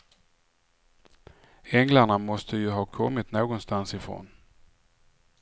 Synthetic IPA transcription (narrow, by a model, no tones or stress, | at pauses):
ɛŋlaɳamɔst̪ʰəjɵɦɑːkʰɔmːɪt̪noːɡɔnst̪ansɪfɾo̰ːn